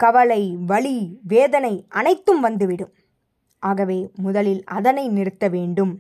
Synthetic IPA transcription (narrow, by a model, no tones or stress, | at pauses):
kɐʋɐlɐɪʋɐɭiʋeːðɐnɐɪʔɐnɐɪt̪ːɯmʋɐnd̪ɯʋɪɽɯm | ʔaːɣɐʋeːmʊðɐlɪlɐðɐnɐɪnɪɾɯt̪ːɐʋeːɳɖɯm